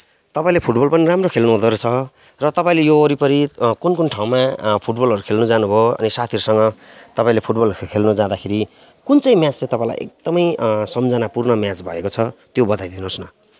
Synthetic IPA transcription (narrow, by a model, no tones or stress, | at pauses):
t̪ʌpãĩlepʰuʈbʌlpʌniramrokʰelnuɦod̪ʌɾot͡sʰʌ | rʌt̪ʌpaĩlejoːɾipʌɾikunkunʈʰaw̃mapʰuʈbʌlɦʌɾukʰelnud͡zanubʱoʌ̰nisat̪ʰiʌɾusʌŋɡʌt̪ʌpaĩlepʰuʈbʌlkʰelnud͡zãd̪akʰeɾi | kunt͡sʌĩmjat͡st͡sẽt̪ʌpãĩla̰jʔḛk̚d̪̥ʌmʌjsʌmd͡zʌnapurnʌmjat͡sbʱʌ̰ekot͡sʰʌt̪jobʌd̪ajd̪inosnʌ